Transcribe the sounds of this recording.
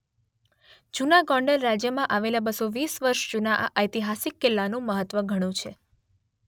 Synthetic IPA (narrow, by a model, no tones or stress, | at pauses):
d͡ʒunaɡɔɳɖəlɾad͡ʒjəmãʔaʋelabəsoʋisʋəɾʃd͡ʒunaʔa̰ʔəjt̪iɦasikːɪlːanũməɦət̪ʋəɡʱəɽ̃ũt͡ʃʰe